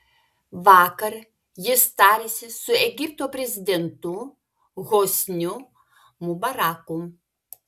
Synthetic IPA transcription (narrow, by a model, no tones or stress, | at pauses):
ʋaːkɐɾ | jɪst̪aːɾʲesʲɪsʊɛɡʲip̚t̪oːpʲɾʲezʲɪd̪ʲɛnt̪u | ɣosʲnʲu | mubɐɾaːku